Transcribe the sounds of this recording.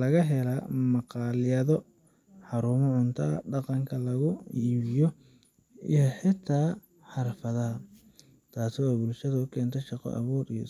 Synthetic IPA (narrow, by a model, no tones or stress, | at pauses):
lɐɣɐɦɛlɐmɑqɑːlɪjɐðɔ | ħɑɾuːmɔʕʊnt̪ʰɐɐ̰ɖɑqɑŋkʰɐlɐɣʊiːβɪjɔ | ḭjɔħɪt̪ʰaː | ħɑɾfɐðɐɦɐ | t̪ʰaːsɪwɑːbʊlʃɐðɐʊkʰɛːnt̪ʰɐʃɑqɔ̰ʔɐ̰βɔːɾḭjɔ